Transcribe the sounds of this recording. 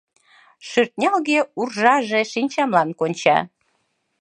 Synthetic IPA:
ʃyrt̪̚nʲɑlɣeurʒɑʒeʃinʲt͡ɕɑmlɑnkonʲt͡ɕɑ̰

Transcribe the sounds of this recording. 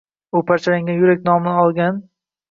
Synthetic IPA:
ʊpʰaɾt͡ʃʰalaŋɡʲanjʊɾakʲnɒmɪnɪɒlˠɡʲan

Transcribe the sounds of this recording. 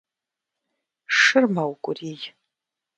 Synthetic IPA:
ʂɨrmawkʷʼʊriːj

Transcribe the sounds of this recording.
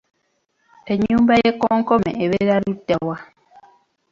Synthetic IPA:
tɛɲũmbajekɔŋkɔmɛ̰eβeɾaɾudawa

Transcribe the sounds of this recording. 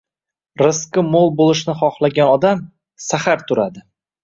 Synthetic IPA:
ɾɪsqɪmolˠbolˠɪʃnɪχɒχlˠaɡʲanɒd̪am | sahaɾt̪ʰʊɾad̪ɪ

